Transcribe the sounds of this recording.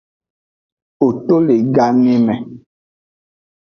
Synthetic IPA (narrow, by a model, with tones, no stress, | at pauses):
o˨to˦le˨ɡa˦ŋe˦mɛ˨